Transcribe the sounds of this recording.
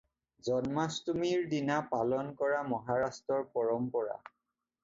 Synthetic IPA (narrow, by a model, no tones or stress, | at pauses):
zɔnmastumiɹdinapalɔnkɔɹamɔɦaɹastɹɔɹpɔɹɔmpɔɹa̰